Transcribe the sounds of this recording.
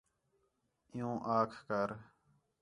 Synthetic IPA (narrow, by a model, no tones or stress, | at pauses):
ɪjũːʔaːkʰkəɾ